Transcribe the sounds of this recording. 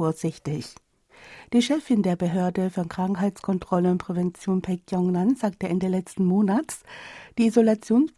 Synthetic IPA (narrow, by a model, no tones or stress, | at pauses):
oːɐz̥ɪçtɪç | d̥iːʃɛfɪndeːɐbəɦøːɐdəfyɐnkʁ̥aŋkɦaɪtt͡skʰɔntʁ̥ɔləʊnpʁ̥ɛvɛnt͡sjoːnpʰɛkjɔŋnanz̥aːk̚təʔɛndelɛt͡stn̩moːnatsd̥iːizolat͡sjoːns